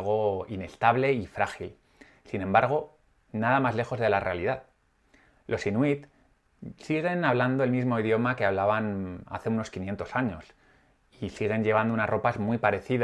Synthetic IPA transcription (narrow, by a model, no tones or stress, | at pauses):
ɣo̞ine̞st̪aβle̞ifɾaxil | sinẽ̞mbaɾɣ̞o̞ | naðamazle̞xo̞zðe̞lare̞aliðað | lo̞sinwit̪ | siɣ̞e̞naβ̞land̪o̞e̞lmizmo̞iðjo̞makeaβ̞laβana̰θe̞uno̞skinje̞nt̪o̞saɲo̞s | isiɣ̞e̞ɲʎe̞β̞and̪unazro̞pazmwipaɾe̞θið